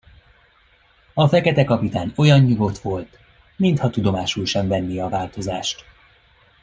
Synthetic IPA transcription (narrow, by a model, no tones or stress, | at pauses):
ɒfɛkɛt̪ɛkɒpit̪aːno̞jɒɲːuɡo̞t̪ʋo̞lt̪ | mint̪hɒt̪ud̪o̞maːʃulʃɛɱvɛnːiɒvaːlt̪o̞zaːʃt̪